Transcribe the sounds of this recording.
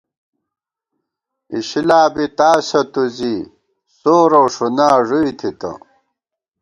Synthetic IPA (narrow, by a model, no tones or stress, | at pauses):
iɕilaːbit̪aːsɐt̪uziː | soːɾoʂunaːʐuit̪ʰit̪ɐ̰